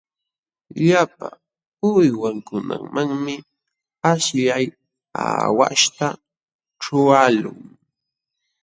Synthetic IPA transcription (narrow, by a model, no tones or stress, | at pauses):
ʎapa̰ | ʊjwaŋkʊna̰ŋmaŋmɪ | aʃʎaj | a̰wa̰ʃt̪a | ʈ͡ʂʊalʊŋ